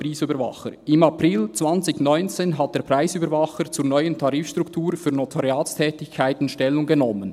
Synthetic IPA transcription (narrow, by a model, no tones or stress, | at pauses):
ɾiːsyːbəɾvɑ̰χə̰ɾɪmɑprɪlt͡svɑnt͡sɪçnɔʏnt͡seːnɦat̚d̥eːɐpʰɾaɪsyːbəɾvɑχəɾt͡suːɾnɔʏəntʰɑɾiːfʃtʁ̥uktʰuːɾfyːɐnotʰoɾjaːtstʰɛːtɪçkʰːaɪtɪnʃtɛlʊŋɡenɔmən